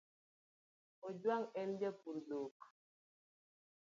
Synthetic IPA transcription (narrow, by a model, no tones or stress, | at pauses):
od͡ʒwaŋɛnd͡ʒɛpuɾdok